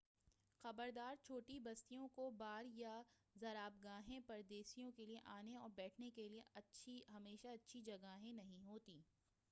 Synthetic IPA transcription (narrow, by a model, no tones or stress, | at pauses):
xɐbəɾd̪aːɾt͡ʃʰoːʈibɐst̪ijõkobaːɾjazɐɾaːb̚ɡaːɦẽpɐɾd̪eːsijõkelieʔaːneɔːɾbɛːʈʰnekelieɐtːʃʰiɦɐmeːʃaɐtːʃʰid͡ʒɐɡaːɦẽnɐɦĩɦoːt̪iː